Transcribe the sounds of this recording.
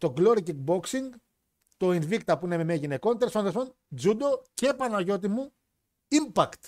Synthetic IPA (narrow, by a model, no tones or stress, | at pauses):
t̪o̞ɡloɾiciɡ̚bo̞ksiŋɡ | t̪o̞invikt̪ɐpuinememeʝine̞ko̞nt̪ɾesfɐnðeson | d͡zud̪o̞ce̞ːpɐnɐʝo̞t̪̬imu | impɐkt̪